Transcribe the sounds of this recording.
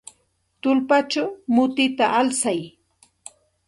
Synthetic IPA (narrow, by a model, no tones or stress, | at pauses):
t̪ʊlpat͡ʃawmʊt̪ɪt̪aʔalsaj